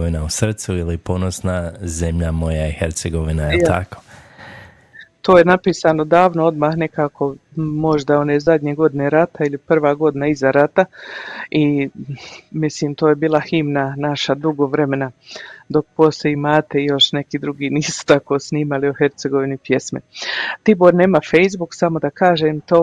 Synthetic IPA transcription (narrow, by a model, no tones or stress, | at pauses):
ʋinausr̩t̪suilipo̞nosnazemʎamo̞jaiheɾt̪seɡoʋinajet̪a̰ko̥ | t̪o̞ːjenapiːsaːno̞d̪aːʋnoo̞d̪maːhne̞kaːko̞mo̞ʒd̪ao̞ne̞ːzad̪ʲɲeɡo̞d̪ine̞ɾat̪ailipr̩ʋaːɡo̞d̪inaizaɾat̪a | i | misliːmt̪o̞ːjebiːlˠahimnanaʃad̪uɡoʋɾe̞me̞nad̪o̞k̚po̞st̪ojimaːt̪e̞ijo̞ʃne̞kiːd̪ɾuɡiːniːsu̥t̪ako̞ːsniːmalioɦe̞ɾt̪seɡo̞ʋinipje̞smḛt̪iboːɾne̞ːmafe̞jzbuksamo̞d̪akaːʒeːmt̪oː